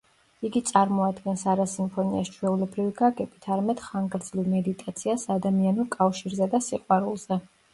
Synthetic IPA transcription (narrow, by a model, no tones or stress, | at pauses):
iɡit̪sʼaɾmɔad̪ɡɛnsaɾasimpʰɔniast͡ʃʰwɛulɛbɾiviɡaɡɛbit̪ʰaɾamɛd̪̥χaŋɡɾd̪zlivmɛd̪it̪ʼat̪sʰiasad̪amianukʼafʃiɾzɛd̪asiqʼwaɾulˠz̥ɛ